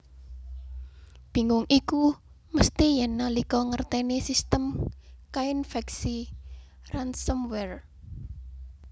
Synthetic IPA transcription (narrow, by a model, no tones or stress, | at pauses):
b̥i̤ŋʊŋʔiku | məst̪ijɛnːalikɔŋərt̪ɛnesist̪əmkainfɛksi | ransɔmwɛr